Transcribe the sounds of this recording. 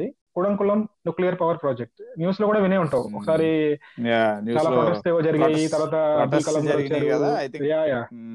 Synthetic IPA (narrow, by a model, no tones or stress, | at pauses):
i | kuɽɐŋkuɭːɐmnjuːklijɐɾpɐʋɐɾpɾoːd͡ʒek̚ʈnjuːslokuːɽaːʋineːuɳʈɐuɔ̰kɐ̥saːɾi | t͡ʃaːlaːoːʈɐst̪eːʋoːd͡ʒɐɾiɡeːjit̪ɐɾʋaːt̪̬ɐbiːkɐlɐmkɐɐt͡ʃaːɾujaːjaː